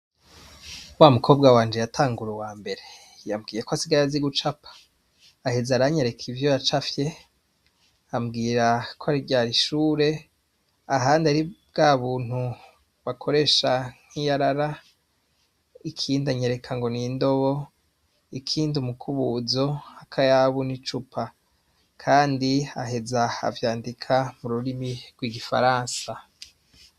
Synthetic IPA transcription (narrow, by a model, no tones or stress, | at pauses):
waːmukʰo̞b̚ɡawaːnd͡ʒejatʰaːŋɡuɾewaːmbe̞ɾe̞ | jamɡiːjekoasiɡaɾaziɡut͡ʃapʰḁ | ahezaɾaɲeɾe̞kʰivjojat͡ʃafje̞ | amɡiːɾakʰoaɾiɟaːɾiʃuːɾe̞ | aɦaːndaɾib̚ɡaːβuːn̥hu | βakʰo̞ɾe̞ʃaŋ̥hijaɾaɾa | ikʰiːndaɲe̞ɾe̞kʰaŋɡo̞niːndo̞βo̞ | ikʰiːndumukʰuβuzo̞akʰajaβunit͡ʃupʰa | kʰaːndiaɦe̞zaa̰vjaːndikʰamuɾuɾimiɾɡwiːɡifa̰ɾaːnsa